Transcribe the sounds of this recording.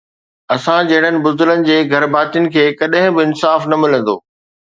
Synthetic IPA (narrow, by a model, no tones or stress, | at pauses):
ɐsãd͡ʑɐɦɪɽənɪ̆bʊzd̪ʊlənɪ̆d͡ʑeːɡʱɐɾbaːt̪ijənɪ̆kʰeːkɐɗɦɪ̃bɪɪnsaːfnɐmɪlə̃n̆d̪o̰ː